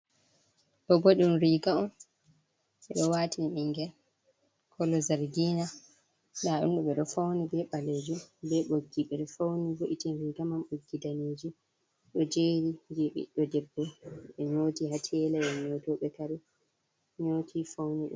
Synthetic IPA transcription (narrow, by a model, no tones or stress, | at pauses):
ɗɔboɗunɾiɡaɔm | ɓɛɗɔwaːtiniiŋɡɛl | kʰɔlɔzaɾɡina | daɗṵnɗuɓɛɗɔfawnibɛɓaleːd͡ʒumbɛɓoɡːiɓɛɗɔfawnivoʔitinɾiːɡamamɓoɡːidaneːd͡ʒi | ɗɔd͡ʒeːɾid͡ʒɛɓḭɗɔdɛbːɔɓɛɲotihatʰɛlaɛɲoːtɔɓɛkaɾu | ɲoːtʰifawniɗṵ